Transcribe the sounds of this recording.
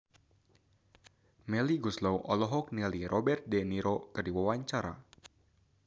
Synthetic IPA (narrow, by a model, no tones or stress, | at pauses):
mɛliɡuslɔwʔɔlɔɦɔk̚nɛlirʔɔbɛrt̪̚dɛniɾʔɔkɨrdiwawaɲt͡ʃaɾa̰